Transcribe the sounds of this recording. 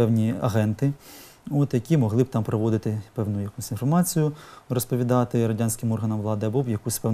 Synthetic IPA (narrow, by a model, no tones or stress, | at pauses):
ɛwnʲiɐ̰ɦɛnt̪ɪ | ot̪jɐkʲimɔɦlˠɪbt̪ɑmpɾɔʋɔd̪ɪt̪ɪpɛwnʊjjɐkusʲinfɔrmɑt͡sʲijʊrɔspɔʋʲid̪ɑt̪ɪɾɐdʲanʲsʲkɪmɔrɦɐnɐmʋlˠɑd̪ɪɐbubjɐkusʲpɛ